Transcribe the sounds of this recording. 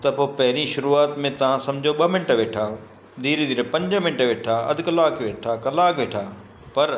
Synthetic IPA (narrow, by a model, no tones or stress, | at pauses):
t̪ɐpoːpɐɦɪɾiʃʊɾuaːt̪mẽt̪ɐʋ̤ãsɐ̃md͡ʑʱoɓɐmɪɳʈəʋeːʈʰaː | d̪iːɾd̪iːɾpɐ̃ɲd͡ʑəmɪ̃ɳʈəʋeːʈʰaːɐ̰d̪ʱɪkəlaːkʋeːʈʰaːkɐlaːkʋeːʈʰaː | pɐɾ